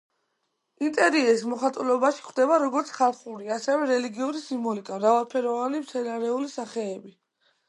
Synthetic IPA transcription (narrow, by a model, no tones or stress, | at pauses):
int̪ʼɛɾiɛis̬mɔχat̪ʼulɔbaʃi̥kχʰwd̪ɛbaɾɔɡɔɾt̪sʰχalˠχuɾiasɛvɛɾɛliɡiuɾisimbɔlikʼamɾavalˠpʰɛɾɔvanimt̪sʰɛnaɾɛulisaχɛːbi